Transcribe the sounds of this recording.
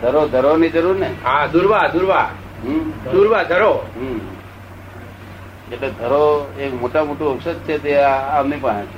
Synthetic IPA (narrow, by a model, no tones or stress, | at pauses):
d̪ʱəɾod̪ʱəɾonid͡ʒəɾuɾneɦãd̪uɾʋad̪uɾʋa | ɦd̪uɾʋad̪ʱəɾoɦ | eʈled̪ʱəɾoekmoʈamoʈuəksəd̪̚t͡ʃʰet̪eaːmnipə̃ɽẽt͡ʃʰe